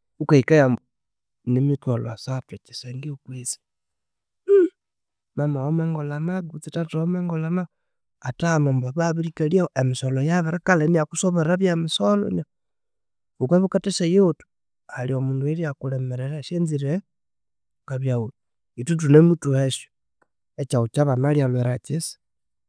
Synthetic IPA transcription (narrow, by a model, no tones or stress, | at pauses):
ukaikajambo | nimitwalo̰asatet͡ʃi̥seŋɡiukwisi̥ | mamaomeŋɡolanaɡut͡sitatoomeŋɡolana | atanombaβaβiɾikaljaoʔemisolojaβeɾekalenijakusoβeɾaβjamisolo̰na | βukeβikatesajeotu̥ | aliomuːndueɾiakulemeɾeɾaʃenziɾe | kaβjaul | itut̬unemutueso̥ | et͡ʃaut͡ʃaβanalialweɾat͡ʃisi̥